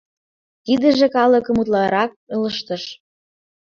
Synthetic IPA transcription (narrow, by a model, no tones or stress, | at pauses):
kid̪ə̆ʒĕkɑlə̆kə̆mut̪lɑɾɑk̚ələʃt̪ə̆ʃ